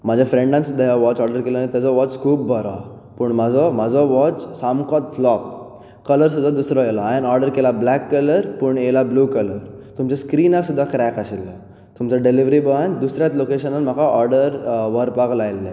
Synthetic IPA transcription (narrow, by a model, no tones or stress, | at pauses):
mad͡ʑʱjafɾẽɳɖãnsud̪ʱːajaʋɔt͡ɕɔɾɖəɾkeləanit̪jad͡zɔʋɔt͡skʰuːp̚bʱəɾɔ | pəɳmad͡zɔmad͡zɔʋɔt͡ssamkɔt̪flɔk | kːələɾs̬ud̪ʱːad̪usɾɔjelaanɔɾɖəɾkelablɛkːələɾpəɳelabluːkələɾ | t̪umt͡ɕaskɾiːnasud̪ʱːakɾɛkaɕilːə̰ | t̪umt͡saɖeliʋɾibəʋand̪usɾjat͡slokeɕənanm̤akʰaʔɔɾɖəɾʋəɾpaklajlːɛ